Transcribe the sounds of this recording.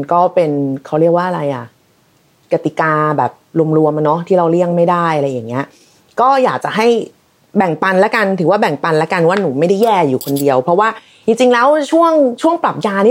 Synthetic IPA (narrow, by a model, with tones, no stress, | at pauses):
kɔː˥˩pe˧nkʰa˦˥wɾi˥˩ək̚waː˥˩ʔa˧ɾa˧jʔa˨˩ | ka˧˩t̪i˨˩kaː˧bɛ̰ː˨˩p̚lu˧əmɾu˧əma˧nɔ˦˥t̪ʰiː˥˩ɾa˧wli˥˩əŋma˥˩jda˥˩jʔa˧ɾa˧jːaː˨˩ŋːi˦˥ɐ | kɔː˥˩jaː˨˩k̚t͡ɕa˨˩ɦa˥˩j | bɛ˨˩ŋpa˧nlɛ˦˥ka˧nt̪ʰɯː˨˩˦waː˥˩bɛ˨˩ŋpa˧nlɛ˦˥ka˧nwaː˥˩nuː˩˦ma˥˩jda˥˩jɛː˥˩juː˨˩kʰo˧ndi˧əwpʰɾɔ˦˥waː˥˩ | t͡ɕi˧ŋt͡ɕi˧ŋlɛː˦˥wt͡ɕʰu˥˩əŋt͡ɕʰu˥˩əŋpla˨˩p̚jaː˧ni˥